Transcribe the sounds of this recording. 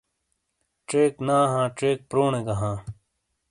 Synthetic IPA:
ʈeːknaːɦãːʈeːk̚pɾoːneɡɐɦãː

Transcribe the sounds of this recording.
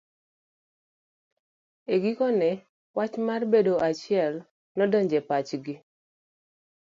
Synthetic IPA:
eɡikɔnɛ | wat͡ʃmarbedoʔat͡ʃɪɛl | nɔdɔɲd͡ʒɛpat͡ʃɡɪ

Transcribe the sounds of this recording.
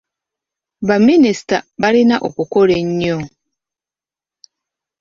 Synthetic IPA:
baminista̰baɾinaʔo̰kokoɾeɲɲɔ

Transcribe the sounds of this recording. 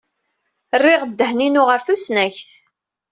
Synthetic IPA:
rːɪʁəd̪ːəhninuʁəɾθusnæçθ

